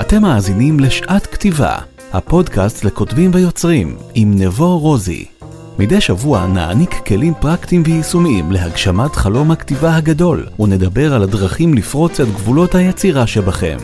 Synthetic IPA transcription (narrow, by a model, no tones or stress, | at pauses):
ʔate̞mːaːzinimle̞ʃʔatktiva̰ | ha̰po̞dkastle̞ko̞tbimvejo̞t͡sʁimimnevo̞ʁo̞zḭ | midejʃavua̰na̰a̰nikːe̞limpʁaktimvejisumiimle̞ɦaɡʃamatχalo̞mhaktivahaɡado̞lune̞dabe̞ʁaladʁaχimlifʁo̞t͡setɡvulo̞thajet͡siʁaʃebaχe̞̰m